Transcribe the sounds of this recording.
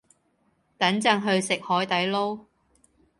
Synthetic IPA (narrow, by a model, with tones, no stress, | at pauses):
t̪ɐ˨˥ŋt͡sɐ˧˥ŋɦɵ˧ɥsɪ˨k̚hɔː˨˥jt̪ɐ˨˥jlo˥w